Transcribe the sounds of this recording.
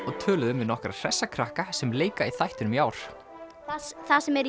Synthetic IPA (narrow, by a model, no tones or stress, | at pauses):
ɔɣt̪ʰœːlʏðʏmvɪnɔhkɾa̰r̥ɛsːakʰɾahkasɛmleːjkaiθajht̪ʏnʏmjaːwɾ̥ | θasθasɛmɛɾ